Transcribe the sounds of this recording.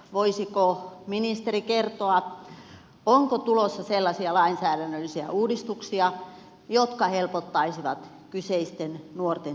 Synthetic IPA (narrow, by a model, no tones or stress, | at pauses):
ʋoisikominist̪erikert̪oɑ | oŋkot̪ulosːɑselːɑsiɑlɑinsæːɾænːølːisiæ̰ʔuːdist̪uksiɑ | jot̪kɑhelpot̪ːɑisiʋɑt̪ | kyseist̪ennuort̪e